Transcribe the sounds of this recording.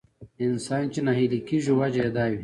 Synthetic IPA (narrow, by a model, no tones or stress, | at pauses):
insaːnt͡ɕinaɦilikiʒuwad͡ʑed̪aːwi